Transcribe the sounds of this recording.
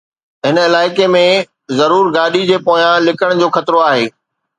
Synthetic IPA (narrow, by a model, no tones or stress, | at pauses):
ɦɪnɪlaːɪkemẽ | zɐɾuːɾɡaːɗid͡ʑeːpoːjãlɪkəɽ̃d͡ʑoːxɐt̪ɾoaːɦeː